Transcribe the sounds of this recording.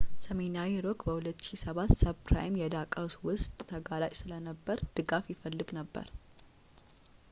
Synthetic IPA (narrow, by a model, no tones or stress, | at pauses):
səmenawiɾokbəhulət̪ːʃisəβat̪səpʰɾa̰jmjɛd̪akʼawswʊst̪ʼt̪ʰːəɡalat͡ʃʼsɨlənəbːəɾd̪̥ɨɡafjɪfəlːɨɡnəbːə̰ɾ